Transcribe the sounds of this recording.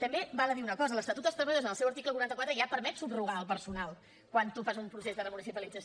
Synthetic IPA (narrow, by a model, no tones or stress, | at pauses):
t̪əmbebaləðiunəkɔzələst̪ət̪ut̪əst̪ɾəməðozənəlˠsɛwəɾt̪ikləkuɾant̪əkwat̪ɾəʒapəɾmɛt̪subruɣaəlˠpəɾsunalˠ | kwant̪ufazumpɾusezðərəmunisipəlid͡zəs